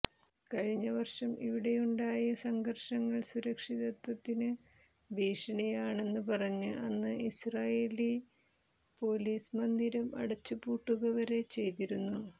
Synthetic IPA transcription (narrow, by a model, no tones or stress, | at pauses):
kɐɻiɲːɐʋɐrʂɐmḭʋiɽe̞juɳɖaːjɐsɐŋɡʱɐrʂɐŋːɐɭsuɾɐkʂiðɐt̪wɐt̪ːinɨ | ʋiːʂɐɳɐjaːɳe̞nːɨpɐrɐɲːɨʔɐnːɨisraːjeːli | po̞ːliːsmɐnd̪iɾɐmɐ̰ɽɐt͡ɕːɨpuːʈːuɣɐʋɐɾe̞t͡ɕe̞jt̪iɾunːu